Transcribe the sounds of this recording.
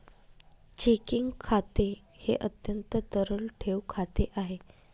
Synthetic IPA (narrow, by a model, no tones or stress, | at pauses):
t͡ɕikiŋɡkʰat̪e | heʔət̪jənt̪ət̪əɾəlʈʰeʋkʰat̪eʔaɦe